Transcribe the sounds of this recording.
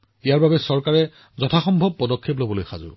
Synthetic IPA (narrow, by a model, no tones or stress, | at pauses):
ijaɹbabɛsɔɹkaɹɛ | zɔtʰaxɔmbʱɔb̚pːɔdɔkʰːep̬lobɔlojxa̰zʊ̰